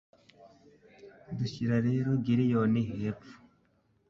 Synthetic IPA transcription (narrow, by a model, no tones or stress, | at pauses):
duɕiɾaɾeːɾoɡiɾijoniɦepfu̥